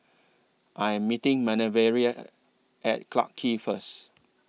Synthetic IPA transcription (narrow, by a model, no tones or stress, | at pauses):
ʔajɛ̃mːitɪ̃ŋmɛnəvɛɹia | ʔɛ̰t̚kla̰kʰːifəs